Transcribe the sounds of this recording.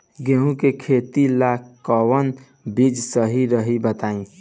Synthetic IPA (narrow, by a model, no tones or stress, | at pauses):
ɡeɦũkekʰet̪ilakʰːɔwən | bid͡ʒsəɦiɾəɦibət̪aĩ